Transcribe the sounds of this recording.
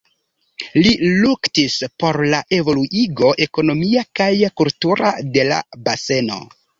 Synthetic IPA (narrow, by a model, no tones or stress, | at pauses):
liluktispo̞ɾlaʔe̞vo̞luʔiɡo̞ʔe̞ko̞no̞miakajkultuɾa̰de̞la̰base̞no̞̰